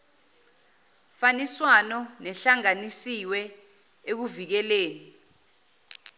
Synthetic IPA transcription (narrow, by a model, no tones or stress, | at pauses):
faniswanɔnɛɬaŋanisiwɛ | ek̬uvik̬ɛleːni